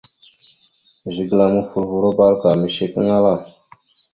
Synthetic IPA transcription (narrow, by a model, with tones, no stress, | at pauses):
ʒi˨ɡla˨mu˦fu˨ɾvu˨ɾo˦ba˦ɾka˨ɾmi˨ʃe˨kə˦ŋa˦la˦˨